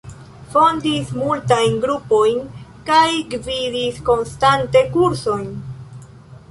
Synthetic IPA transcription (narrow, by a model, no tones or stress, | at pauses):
fo̞ndismultajnɡɾupo̞jnkajɡvidisko̞nstante̞kuɾso̞jn